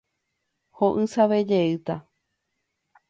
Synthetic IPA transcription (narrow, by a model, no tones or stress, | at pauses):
hoʔɨsaʋed͡ʒeɨt̪a